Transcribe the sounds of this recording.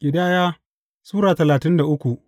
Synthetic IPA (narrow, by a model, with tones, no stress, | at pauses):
kʲʼɪ˨daː˦jaː˦ | suː˦ɾaː˨tɐ˨laː˨tɪ˦nda˨ʔʊ˦kʷu˨ʔ